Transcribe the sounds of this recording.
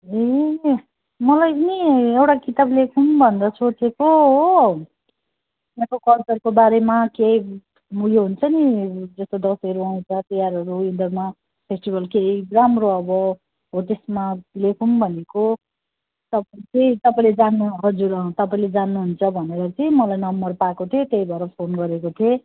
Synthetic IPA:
e | mʌlajpʌniewʈakit̪ablekʰunbʱʌnd̪ʌsot͡sekoɦ | ekokʌlt͡sʌrkobaɾemakej | muɡjoɦunt͡sʰʌnid͡zʌst̪od̪ʌsʌɾuʌĩt͡sʰʌt̪ʌjaɾɦʌɾuind̪ʌrma | pʰesʈibʱʌlkeiramroʌbʌ | ɦot̪esmalekʰunbʱʌneko | t̪ʌpaĩt͡sʌĩt̪ʌpaĩled͡zanːuɦʌd͡zuɾʌt̪ʌpaĩled͡zanːuɦunt͡sʰʌbʱʌneɾʌt͡sʌĩmʌlajnʌmbʌrpakot̪ʰijot̪eibʱʌɾʌpʰonɡʌɾekot̪ʰie

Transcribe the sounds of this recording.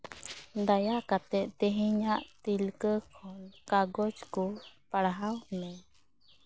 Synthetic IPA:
d̪ajakat̪ɛʔt̪ɛɦiɲaʔt̪ilkəkʰɔnkaɡɔd͡ʒkupaɽɦawhmɛ

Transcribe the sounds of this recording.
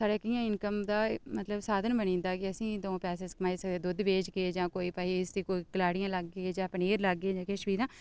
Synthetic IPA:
saːɽeːkijãːɪnkəmd̪aːmət̪ləbsaːd̪ənbənĩːnd̪aːkɪəsĩːd̪õːpɛːseːskəmaːisək̚d̪eːd̪ʊd̪beːd͡ʒkeːd͡ʒãːkoːiːpəːiːɪst̪iːkoːiːkəlaːɽijãːləɡːeːd͡ʒãːpəneːɾləɡːeːd͡ʒãːkeːʃəʋiːd̪ãː

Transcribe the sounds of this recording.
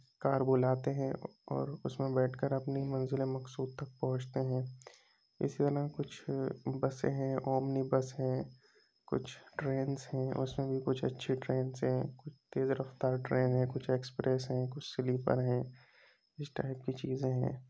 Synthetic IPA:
kaːɾbolaːt̪eɦɛ̃ɔ̰ːɾʊsmẽbɛːʈʰkəɾɐpnimɐ̃nzɪlemɐksuːd̪̚t̪ɐk̚pɐɦʊ̃t͡ʃt̪eɦɛ̃ː | ɪ̰sit̪ɐɾakʊt͡ʃʰbɐsḛ̃ɦɛ̃ɔːmnibɐsɦɛ̃ː | kʊ̰t͡ʃʰʈɾeːnzɦɛ̃ʔʊ̰smẽbʱikʊt͡ʃʰɐ̰tːʃʰiʈɾeːnzɦɛ̃kʊt͡ʃʰt̪eːzɾɐft̪aːɾʈɾeːnɦɛ̃kʊt͡ʃʰeːkspɾɛːsɦɛ̃kʊt͡ʃʰsɪlipɐ̰ɾɦɛ̃ː | ɪsʈa̰ːɪp̚kit͡ʃiːzẽɦɛ̰̃ː

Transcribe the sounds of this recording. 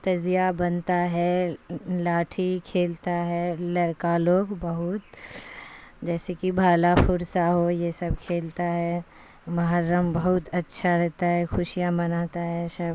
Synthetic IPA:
t̪ɐzijabɐnt̪aɦɛ | laːʈʰikʰeːlt̪aɦɛlɐɾkaloːɡbɐɦʊt̪̚ | d͡ʒɛːsekibʱaːlapʰʊɾsaɦojesɐb̚kʰeːlt̪aɦɛ | mɐɦaɾːəmbɐɦʊt̪ɐtːʃʰaɾɛɦt̪aɦɛxʊʃijamɐnaːt̪aɦɛʃɐ

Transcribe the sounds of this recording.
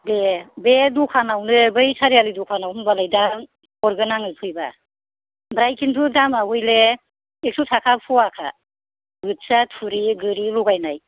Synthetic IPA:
bebedukʰanawnɯbɯjsʰaɾijalidukʰanawnbalajdam | ɔɾɡɯnaŋɯpʰɯjba̰ | bɾajkʰintʰudamawɯjle | ek̚sʰutʰakʰapʰuwakʰa̰ | ɡɯt̚satʰuɾiɡɯɾiluɡajnaj

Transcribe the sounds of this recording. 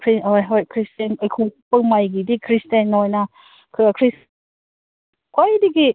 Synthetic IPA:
kʰɾiɔjɦɔjkʰɾistenajkʰupɯŋmajɡidikʰɾistenːɔjna | kʰɯakʰɾis | kwajdiɡi

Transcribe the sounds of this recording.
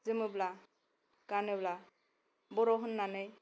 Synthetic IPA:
zɯmɯbla | kanɯbla | bɔɾɔɦɯnːanɯj

